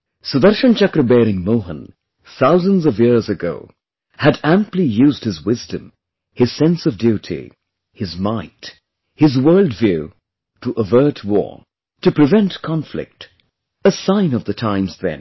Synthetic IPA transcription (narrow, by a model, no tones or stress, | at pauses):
sɨðəɾʃə̃nt͡ʃʌkɾɨbɛɾɪ̃ŋmoʊɦə̰̃n | θaʊzə̃nzʌvjɪɹzɨɡoʊ | hɨɾæ̃mplijʉzd̚hɨzwɪzdɨ̰̃m | hɨz̥sɛ̃nsʌvdjʉɾʰḭ | hɨzmãɪ̃t | hɨzwɜ˞lˠdvjʉ | ɾʰəʔəvɜ˞t̚ʰwɔ̰ɹ | tɨpʰɹ̥ɨvɛ̃ntkʰɑ̃ɱflɪ̰k̚t | əsãɪ̃nʌvðɨtʰãɪ̃mzðɨ̰̃n